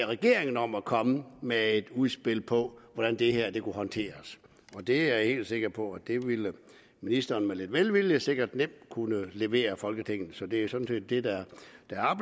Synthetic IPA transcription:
ʁɛɡ̥e̝ɐ̰eŋn̩ɒ̽mækʰɒ̽məmee̝d̥uðˠsb̥e̝l̰pʰɒ̽ʋɒɾ̥ænd̥e̝heɐ̰d̥e̝kʰuɦɒ̽nt͡sʰe̝̰ːɐs | ɒ̽d̥e̝æɐhe̝̰ːld̥se̝ɡ̥ɐpʰɒ̽æd̥e̝ʋilə | minisd̥ɐːnmæle̝d̥ʋelʋilise̝ɡ̥ɐd̥nem̰d̥kʰunəle̝ʋe̝̰ːɐfɒ̽lɡ̥ət͡sʰeŋ̰n̩sɒ̽d̥e̝æjosɒ̽d̥n̩se̝̰ːd̥ːe̝d̥ɑd̥ɑɑ̈

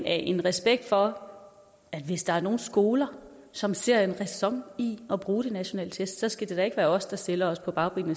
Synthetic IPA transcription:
æʔe̝nʁɛsb̥eɡ̥̚d̥fɒ̽ | æd̥ʋe̝sd̥ɑ̈æɐno̝ːn̩sɡ̥o̝ːlɐ | sɒ̽mse̝ɐ̰e̝nʁɛsɒ̽ŋ̰iɒ̽b̥ʁuːɾ̥e̝næɕo̝nɛ̰ːlə̥t͡sʰesd̥sɒ̽sɡ̥æd̥e̝d̥æe̝ɡ̥ʋæːɐɒ̽sd̥ɑ̈sd̥elɐɒ̽spʰɒ̽b̥ɑ̈ʊb̥ʁiːnə

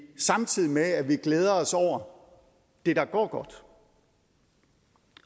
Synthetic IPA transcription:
sɑ̈mt͡sʰið̰ˠimeæʋiɡ̥leːð̞ˠɐɒ̽sɒʊ̰ɐ | d̥e̝ɾɑ̈ɡ̥ɒ̰ːɡ̥ɒ̽d̥

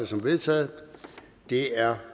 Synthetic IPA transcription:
əsɒ̽mʋe̝ðˠt͡sʰɛ̰ːð̩ˠ | d̥e̝æɐ

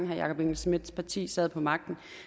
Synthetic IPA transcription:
ŋɦɑjɑ̈kʰɒ̽b̥eŋl̩smid̥spʰɑ̈t͡sʰḭːsɛð̩ˠpʰɒ̽mɑ̈ɡ̥̚d̥n̩

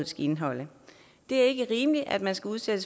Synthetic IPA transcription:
ð̩ˠsɡ̥e̝nɦɒ̽l̰ə | d̥e̝æɐe̝ɡ̥əʁiːməli̥ʔæ̰d̥mænsɡ̥æuð̞ˠsed̥əs

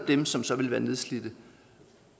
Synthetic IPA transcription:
d̥emsɒ̽msɒ̽ʋe̝lʋæːɐne̝ðˠslid̥ə

